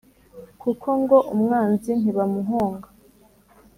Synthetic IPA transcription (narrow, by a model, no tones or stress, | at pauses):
kʰukʰo̞ŋɡoʔumŋaːnzin̥iβamuɦoːŋɡa